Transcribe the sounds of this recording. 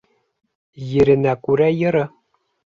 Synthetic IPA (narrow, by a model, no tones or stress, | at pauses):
jɘ̆ɾɘ̆nækʉɾæjɤ̆ɾɤ̆